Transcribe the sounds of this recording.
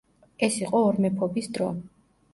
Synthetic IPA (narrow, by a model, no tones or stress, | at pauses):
ɛsiqʼɔːɾmɛpʰɔbisd̪ɾɔ